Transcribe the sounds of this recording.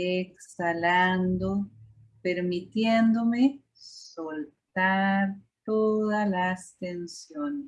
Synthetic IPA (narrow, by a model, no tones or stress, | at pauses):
eksaland̪o | peɾmit̪jend̪ome | solt̪aɾt̪oðalast̪ensjone